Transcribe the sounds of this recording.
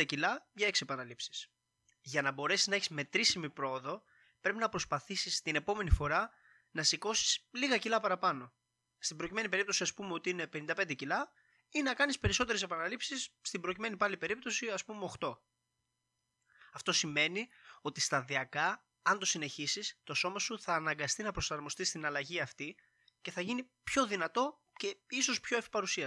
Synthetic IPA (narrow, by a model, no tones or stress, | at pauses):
ɐcilɐʝɐe̞ksiepɐnɐlipsi̥s | ʝɐnɐbo̞ɾe̞siznɐe̞çizme̞t̪ɾisimipɾo̞oðo̞ | pɾe̞pinɐpɾo̞spɐθisist̪ine̞po̞me̞nifo̞ɾɐ | nɐsiko̞si̥sliɣɐcilɐpɐɾɐpɐno̞ | st̪imbɾo̞cime̞nipe̞ɾip̚t̪o̞siɐspumeo̞t̪iine̞pe̞nind̪ɐpe̞nd̪ecilɐ | inɐkɐnispe̞ɾis̬o̞t̪e̞ɾe̞se̞pɐnɐlipsisst̪ibɾo̞cime̞nipɐlipe̞ɾip̚t̪o̞siɐspumeo̞xt̪o̞ | ɐft̪o̞sime̞nio̞t̪ist̪ɐðiɐkɐ | ɐnd̪o̞sine̞çisist̪o̞so̞mɐsuθɐːnɐŋɡɐst̪inɐpɾo̞sɐɾmo̞st̪ist̪inɐlɐʝiɐft̪i | ce̞θɐʝinipço̞ðinɐt̪o̞ | ce̞iso̞spçoefi̥pɐɾusiɐ